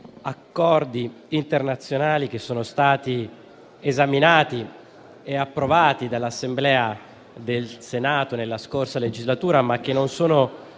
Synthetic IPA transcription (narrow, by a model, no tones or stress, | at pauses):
akːɔrd̪iː | nt̪ernat̪sːjonaːlik̟esːoːnost̪aːt̪i | ezaminaːt̪i | eapːɾovaːt̪id̪alːasːemblɛːa | d̪elsenaːt̪onelːaskorsaled͡ʒizlat̪uːɾamak̟ːenːonsoːno